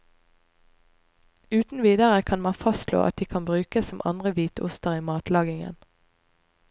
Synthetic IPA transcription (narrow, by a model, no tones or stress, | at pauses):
ʉːt̪n̩ʋiːd̪əʁəkʰɑnmɑnfɑstlo̰ːʔɑt̪̚d̪iːkʰɑnbʁʉːkəssɔmʔɑ̰nd̪ʁəʋiːt̪ʊ̰st̪əʁiːmɑːt̪lɑːɡɪŋə̰n